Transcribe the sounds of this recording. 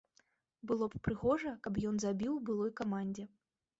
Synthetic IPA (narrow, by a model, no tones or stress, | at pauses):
bɨlˠɔppɾɨɣɔʐɐkɐbjɔnzabʲiwbɨlˠɔjkamanʲd͡zʲɛ